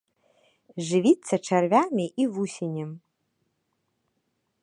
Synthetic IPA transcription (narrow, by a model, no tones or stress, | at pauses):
ʐɨvit͡sʰːɐʈ͡ʂʰɐrvʲamɪʔivusʲenʲɛm